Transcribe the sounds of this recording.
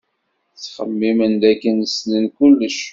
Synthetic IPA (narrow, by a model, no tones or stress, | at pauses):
t͡sːχə̰mːimənd̪ækːənəslənkʊlːəʃ